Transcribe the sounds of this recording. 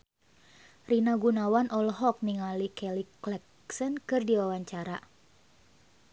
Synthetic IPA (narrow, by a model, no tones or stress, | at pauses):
rinaɡunawanʔɔlɦɔk̚niŋalikɛliklɛk | sənkɨrdiwawaɲt͡ʃaɾa